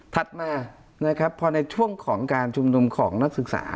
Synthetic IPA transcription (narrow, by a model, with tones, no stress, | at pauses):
t̪ʰa˨˩t̪̚maː˧ | na˦˥kʰɾpʰːɔː˧na˧jt͡ɕʰu˥˩əŋkʰɔː˩˦ŋkaː˧nt͡ɕʰu˧mnu˧mkʰɔː˩˦ŋna˦˥k̚sɯ˨˩k̚sa̰ː˩˦